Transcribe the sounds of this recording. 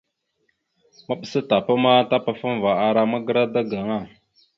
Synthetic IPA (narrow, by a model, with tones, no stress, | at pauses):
ma˦ɓə˨sə˦ta˨pa˦ma˦ta˦pa˨fa˦m˨va˨a˨ɾa˦ma˦ɡə˦ɾa˦da˦ɡa˨ŋa˦˨